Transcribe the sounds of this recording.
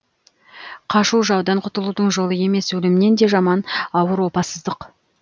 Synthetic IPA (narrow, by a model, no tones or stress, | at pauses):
qʰɑʃuwʒɑwd̪ɑɴqʰʊt̪əlˠud̪əɴʒo̞lˠəje̞me̞swɵlɪmɪne̞nd̪e̞ʒɑmɑnɑwəɾwo̞pɑsəzd̪əq